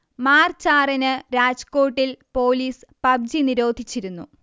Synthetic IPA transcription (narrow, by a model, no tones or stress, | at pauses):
maːrt͡ɕaːrɐnɨɾaːd͡ʑko̞ːʈːilpo̞ːliːspɐb̚d͡ʑiniɾo̞ːd̪ʱit͡ɕːiɾunːṵ